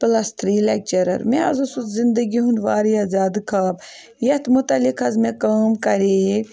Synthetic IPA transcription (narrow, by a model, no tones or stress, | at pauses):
plɐst̪ʰɾilek̚t͡ʃɐɾɐ̰ɾmeɐ̰zusut̪zind̪ɐɡiɦunʋaːɾijaːzaːd̪kʰaːb | jɐt̪mut̪ɐlikʰɐzmekaːmkɐɾe